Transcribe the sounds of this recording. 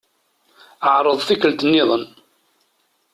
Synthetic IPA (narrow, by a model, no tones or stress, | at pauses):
əʕɾˤəðˤθikəlt̪ənːɪðˤən